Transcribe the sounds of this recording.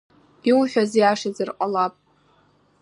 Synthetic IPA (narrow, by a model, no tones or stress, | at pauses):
iwħᶣazjaʂazɨrqʼalapʼ